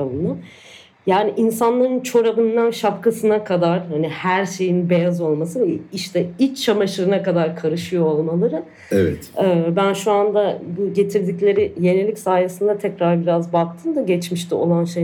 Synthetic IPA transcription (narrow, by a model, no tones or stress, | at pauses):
abɯnd̪an | jaːniʔinsanlˠaɾɯnt͡ʃʰo̞ɾabɯnd̪anʃapkʰasɯnakʰad̪aɾhanihæɾʃe̞jinbe̞jazo̞lˠmasɯniʃt̪ʰɛit͡ʃt͡ʃʰːamaʃɯɾɯnakad̪aɾkʰaɾɯʃɯjoolˠmalˠaɾɯ | evɛt̪ɯːbænʃuand̪abuɟe̞t̪ʰiɾd̪iclʲe̞ɾɪje̞nelʲicsaːjasɯnd̪at̪ʰɛcɾaɾbiɾazbak̚t̪ʰɯmd̪aɟɛt͡ʃmiʃt̪io̞̰lˠanʃej